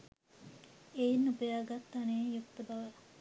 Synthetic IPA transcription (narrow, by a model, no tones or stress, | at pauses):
einːupəjaːɡat̪ːanejukt̪əbaʋə